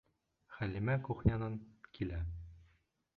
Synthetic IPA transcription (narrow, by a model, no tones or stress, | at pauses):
χælimækuχnʲɑnɤnkʰilæ